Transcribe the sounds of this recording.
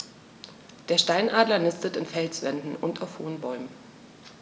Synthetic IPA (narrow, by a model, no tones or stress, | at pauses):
d̥eːɐʃtaɪnʔaːdlɐnɪstətɪnfɛlsv̥ɛndn̩ʔʊntʰaʊfhoːənbɔʏmən